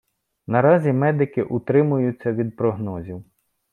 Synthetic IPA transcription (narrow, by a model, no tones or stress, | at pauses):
nɐɾɑzʲimɛd̪ɪkɪʔʊt̪ɾɪmʊjʊt͡sʲːɐʋʲid̪̚pɾɔɦnɔzʲiw